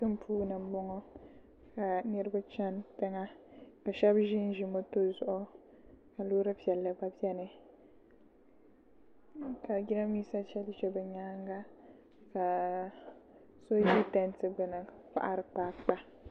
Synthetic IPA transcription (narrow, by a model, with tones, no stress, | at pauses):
ɨ˦m˦pʰuː˦na˨m˦bɔ˦ŋɔ˦ | ka˨nɨ˦ɾɨ˦ba˦t͡ʃa˦ntɛ˦ŋa˦ka˨ʃɛ˦bʒɪ˦n˦ʒi˨mo˦to˦zʊ˦ʔʊ˦ | ka˨loː˦ɾɨ˦pi˨ɛ˨lːɨ˦ba˦pi˦ɛ˦nɨ˨ | ka˨ɡi˦na˦miː˦sa˦t͡ʃɛ˦lɪ˦t͡ʃɛ˦bɛ˨ɲaː˦ŋɡa˦ | ka˨ | so˦ʒi˦tɛ˦ntɨ˦bɨ˨na˨k͡pa̰˦ʔa̰˦ɾɨ˦k͡paː˦k͡pa˦